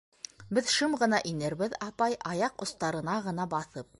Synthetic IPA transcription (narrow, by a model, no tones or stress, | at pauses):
bɘðʃɤmʁɤ̆n̪ɑʔinɘɾbɘðɑpɑjʔɑjɑqŏst̪ɑɾɤ̆nɑʁɤ̆n̪ɑbɑθɤp̚